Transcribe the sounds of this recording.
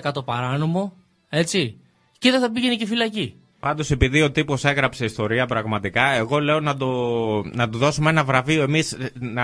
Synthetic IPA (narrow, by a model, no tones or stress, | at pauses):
kɐt̪o̞pɐɾɐno̞mo̞ | e̞t͡si | ciðeθɐpiʝenicifilɐci | pɐnd̪o̞se̞piðio̞t̪ipo̞se̞ɣɾɐpse̞ist̪o̞ɾiɐpɾɐɣmɐt̪ikɐe̞ɣo̞le̞o̞nɐd̪onɐt̪uðo̞sumee̞nɐvɾɐvio̞e̞misnɐ